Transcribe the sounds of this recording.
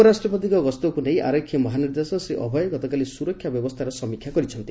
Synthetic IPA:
ɔɾasʈɾɔp̬ɔt̪̬ikɔɡɔst̪ɔkunejʔa̰ɾɔkʰːjimɔɦaniɾd̪esɔseʔɔbʱɔjɔɡɔt̪ɔkalisuɾɔkʰːjabjɔbɔst̪ʰaɾɔsɔmikʰːjakɔɾit͡ʃʰɔnt̪i

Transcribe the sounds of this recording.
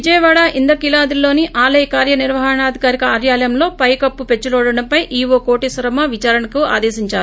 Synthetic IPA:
ʋid͡ʒɐjɐʋaːɽaʔind̪ɐkilaːd̪ilːo̞ːniʔaːlɐjɐkaːɾjɐniɾʋɐɦɐɳaːd̪ʱikaːɾikɐaːɾjaːlɐjɐmlo̞ːpɐjkɐpːupe̞t͡ʃːulɔːɽɐɽɐmpɐjʔiːʋoːkoːʈisɐɾɐmɐʋit͡ʃaːɾɐnɐkua̰ːd̪eːsiɲt͡ʃaːɾu

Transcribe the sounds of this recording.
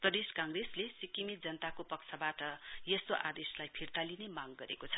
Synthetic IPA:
prʌd̪eskãŋɡreslesikimit̪̚d͡zʌnət̪akopʌksʰabaʈʌjest̪oʔad̪eslajpʰirt̪alinemaɡɡʌɾekot͡sʰʌ̥

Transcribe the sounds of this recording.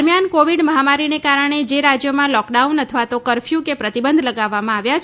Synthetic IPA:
ɾmjankoʋiɖməɦamaɾinekaɾəɳ̃ed͡ʒeɾad͡ʒjəmãlɔkɖaunət̪ʰəʋat̪okəɾfʰjukepɾət̪ibənd̪ʱləɡaʋːamãaʋjat͡ʃ

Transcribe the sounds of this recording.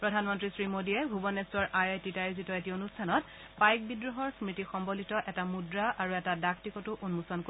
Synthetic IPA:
pɹɔdʱanmɔntɹisɹimodiɛbʱubɔnestɔɹʔajajtitajzitɔetionustʰanɔt | pajk̚bidɹɔɦɔɹsmitixɔmbolitɔʔɛtamudɹaʔaɹuɛtadaktikɔtʊʔunmusɔnko

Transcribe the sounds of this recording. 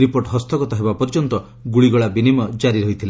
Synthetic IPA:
ɾipoɾʈɦɔst̪ɔkɔt̪ɔɦebapɔɾid͡ʒɔnt̪ɔ | ɡuɭiɡɔɭabinimɔd͡ʒaɾiɾɔɦjt̪ʰile

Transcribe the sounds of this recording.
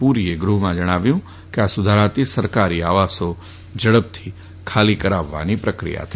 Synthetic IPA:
puɾieɡɾuɦmãd͡ʒəɽ̃aʋjũ | keasʊd̪ʱaɾat̪isəɾkaɾiaʋaso | d͡ʒəɽəp̚t̪ʰi̥ | kʰalikəɾaʋːa̰nipɾəkɾḭja̰t̪ʰə

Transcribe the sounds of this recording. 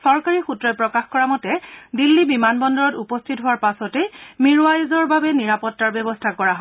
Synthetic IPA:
sɔɹkaɹixutɹɔjpɹɔkaxkɔɹamɔtɛdilːibimanbɔndɔɹɔtupɔstʰitɦʊwaɹpasɔtɛmiɹuajuzɔɹbabɛniɹapɔtːaɹbjɔbɔstʰakɔɹaɦɔ

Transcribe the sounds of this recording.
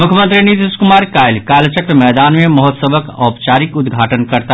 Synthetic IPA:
mʊkʰjəmə̃nt̪ɾinit̪iskʊmaːɾkaːjlkaːlt͡ʃəkɾəmɛːd̪aːnmemɔɦɔt̪səbʱəkɔːpt͡ʃaːɾikʊd̪ɡʱaːʈənkəɾt̪a

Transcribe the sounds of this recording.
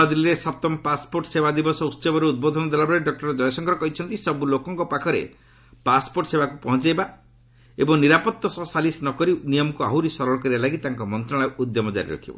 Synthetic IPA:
ad̪iliɾesat̪ɔmɔpaspoɾʈsebad̪ibɔsɔutt͡ʃɔbɔɾeud̪̚bɔd̪ʱɔnɔd̪alabɔɾeɖɔk̚ʈɔɾd͡ʒɔjɔsɔŋɡʰʱɔɾɔkɔɦit͡ʃʰɔnt̪isɔbulokɔŋkɔpakʰɔɾḛ | paspoɾʈɔsebakupɔɦɔnt͡ʃajba | ebɔŋniɾapɔt̪ːɔsɔsalisnɔkɔɾinijɔmɔkua̰ɦuɾisɔɾɔɭɔkɔɾibalaɡit̪aŋkɔmɔnt̪ɾɔɭ̃aud̪jɔmɔd͡ʒa̰ɾḭɾɔ̰kʰibɔ̰

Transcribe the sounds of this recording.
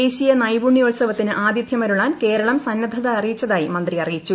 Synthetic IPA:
eːɕijɐnɐjbuɳjiolsɐʋɐt̪ːinɨʔaːd̪jɐd̪jɐmɐɾuɭaːnke̞ːɾɐɭɐmsɐnːɐd̪ʱɐðaɐrijit͡ɕːɐðaːjimɐnd̪riɐrijit͡ɕːu

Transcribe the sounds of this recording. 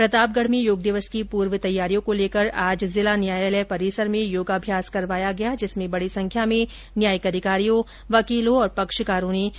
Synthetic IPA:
pɾɐt̪aːp̚ɡəɽ̤mẽjoːɡ̚d̪ɪʋəskipuːɾʋət̪ɐjːaːɾijõkoleːkəɾaːd͡ʒzɪlanjaːjelɛːpɐɾiːsəɾmẽjoːɡaːbʱjaːskɐɾʋaːjaɡɐjad͡ʒɪsmẽbɐɽisɐ̃ŋkʰjamẽ | njaːjəkɐd̪ʱɪkaːɾijõ | ʋɐkiːlõɔːɾpɐkʃkaːɾuːne

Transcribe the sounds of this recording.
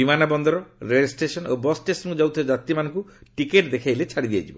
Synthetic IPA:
bimanabɔnd̪ɔɾɔɾeesʈɾesɔnobɔsʈesɔnkud͡ʒawt̪ʰed͡ʒat̪imanɔ̃ŋkuʈikeʈd̪ekʰajlet͡ʃʰaɽid̪ija̰t͡ʃʰibɔ

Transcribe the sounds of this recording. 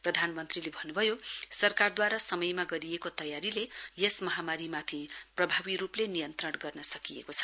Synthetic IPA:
prʌd̪ʱanmʌnt̪rilebʱʌnːubʱʌjosʌrkard̪waɾasʌmʌjmaɡʌɾijekot̪ʌjaɾilejesmʌɦamaɾimat̪ʰiprʌbʱabiɾuplenijʌnt̪rʌɽɡʌrnʌsʌkijḛkot͡sʰʌ̥

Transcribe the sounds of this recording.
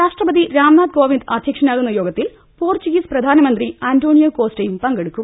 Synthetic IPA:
ɾaːʂʈrɐbɐd̪iɾaːmnaːd̪̚ko̞ːʋind̪ɐd̪ʱjɐkʂɐnaːɣunːɐjo̞ːɡɐt̪ːil | poːrt͡ɕiɡisprɐd̪ʱaːnɐmɐnd̪riaːndoːɳijɐko̞ːstejumpɐŋɡeɽukːum

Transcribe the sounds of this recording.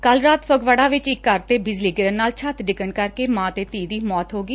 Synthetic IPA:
kəlɾaːt̪fʰəɡʋəɽaːʋɪt͡ʃɪkːəɾt̪eːbɪd͡ʒliːɡɪɾənːaːlt͡ʃʰət̪ɖɪkəɳkəɾkeːmãːt̪eːt̪iːd̪iːmɔːt̪ɦoːɡiː

